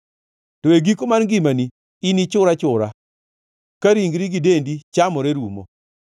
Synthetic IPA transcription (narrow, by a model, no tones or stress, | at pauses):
toeɡikomanɡimani | ɪnit͡ʃʊɾat͡ʃʊɾa | kaɾiŋɡɾiɡidendit͡ʃamɔɾeɾumo̰